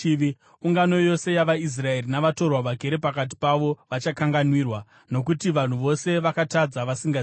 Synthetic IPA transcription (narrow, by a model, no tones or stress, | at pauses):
uŋɡano̞jo̞se̞jaʋais̬rae̞rinaʋato̞rwaʋaɡʱe̞ɾepakat̬i̥paʋo̞ʋat͡ʃakaŋɡanwirwa | no̞k̬utiʋan̤uʋo̞se̞ʋakatad͡zaʋasiŋɡa